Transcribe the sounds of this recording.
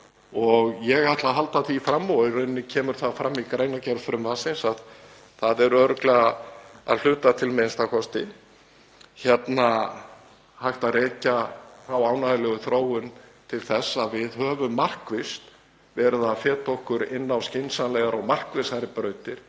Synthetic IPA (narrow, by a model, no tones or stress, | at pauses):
ɔɣjɛɣajht̪laðɦalt̪aθifɾamːɔɪɾʏnːɪcʰɛːmʏɾ̥θafɾamːikɾejnacɛɾðfɾʏmvaːsɪnsað | θaðɛɾœːɾʏklɛɣaa̰ðl̥ʏːt̪at̪ʰɪlmenst̪akʰɔst̪ɪ | çɛt̪na | hajht̪aðreːcaθawaːwnaðlɛɣʏθɾoːwʏnt̪ʰɪlθɛsːaðvɪðɦœːvʏmːar̥kvɪst̪ | vɛːɾʏðafɛːt̪ʰohkʏɾɪ̰nːawscejnsanlɛːɣaɾaɣmar̥kvɪsaɾɪpɾœːɥt̪ɪɾ̥